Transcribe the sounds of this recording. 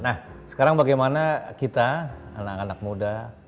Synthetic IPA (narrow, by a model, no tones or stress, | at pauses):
nahsə̥kaɾaŋbaɡajmanakit̪aa̰nakanak̚muda